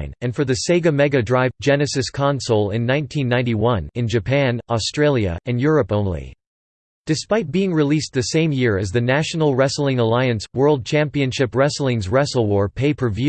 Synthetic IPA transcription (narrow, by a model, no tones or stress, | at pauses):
ɪ̃nɨ̃nfə˞ðɨseɪɡɨmɛɡɨdɹaɪvd͡ʒɛnɨsɨskʰɑ̃nsl̩ˠɪ̃nːãɪ̃ntʰĩnːãɪ̃niwʌ̃nɨ̃nd͡ʒɨpʰæ̃nɔstɹ̥eɪlˠjɨ̰ɨ̃njʊɹɨpõʊ̃nlḭ | d̥ɨspaɪt̚b̥iɪ̃ŋɹilis̚ðɨsẽɪ̃mjɪɹɨzðɨnæʃn̩l̩ˠɹɛsl̩ˠɪ̃ŋəlaɪɨ̃nswɜ˞lˠd̚t͡ʃʰæ̃mpiɨ̃nʃɪpɹɛsl̩ˠɪ̃ŋzɹɛsl̩ˠwɔɹpʰeɪpʰə˞vjʉ